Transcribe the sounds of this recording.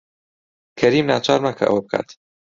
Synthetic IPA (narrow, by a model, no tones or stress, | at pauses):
kʰɐɾiːmnaːt͡ʃʰɑːɾmakʰɐ̰ʔɐ̰wɐb̚kʰa̰ːt̪ʰ